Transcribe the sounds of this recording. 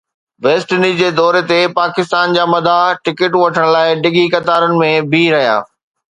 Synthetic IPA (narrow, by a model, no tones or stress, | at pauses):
ʋeːsʈnid͡ʑeːd̪ɔːɾet̪epaːkɪst̪aːnd͡ʑaːmɐd̪ʱaʈɪkɪʈʋɐʈʰəɽ̃laːɪɖɪɡikɐt̪aːɾənɪ̆mẽbʱiɾɐɦija̰ː